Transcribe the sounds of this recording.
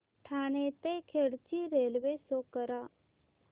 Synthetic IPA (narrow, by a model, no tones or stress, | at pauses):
ʈʰaːnet̪ẽkʰeɽt͡ʃiɾeːlʋeːsoːkəɾa